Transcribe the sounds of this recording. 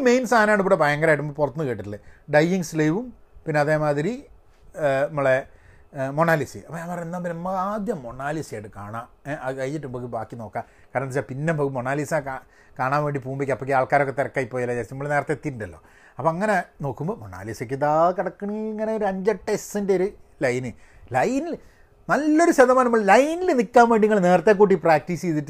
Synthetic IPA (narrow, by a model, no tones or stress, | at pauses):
mejnsaːɐnaːɳɨp̬uɽebɐjɐŋɡɐɾaːjʈ̬ːumbopurɐt̪ːnːɨkeːʈːiʈːɨlːɨɖɐjiŋslejʋum | pinːeɐðeːmaːðiɾi | ɐmːoɭe | moɳaːlisḭɐpːoɲaːnpɐrɐend̪aːmbɐmːɐaːd̪jɐmːo̞ɳaːlisjajʈːɨkaːɳaː | akɐjt͡ɕːitːumboːkːɨbaːkːino̞ːkːa | kaːɾɐnɐnit͡ɕːapinːembokimoɳaːlisaka | kaːɳaːnʋe̞ːɳɖipuːmbikʲːɐpːok̬ʲːɨaːɭkaːɾokːet̪irɐkːaːipːoːjɐlːadeːsinɐmːoɭneːrɐt̪ːet̪ːitːuɳɖɐlːo̞̰ː | ɐpːoɐŋːɐneno̞ːkːumboːmoɳa̰ːlisek̬ʲːit̪aːkɐɽɐkːuɳiŋːɐneoɾɐɲd͡ʑɐʈːessindeoɾulɐjnɨ | lɐjnil | nɐlːo̞ɾuɕɐðɐmaːnɐmːɐɭlɐjnilnikʲːaːmʋe̞ːɳɖiŋːɐɭne̞ːrɐt̪ːek̬ːuːʈ̬ːipraːk̚ʈiːset̪ːiʈː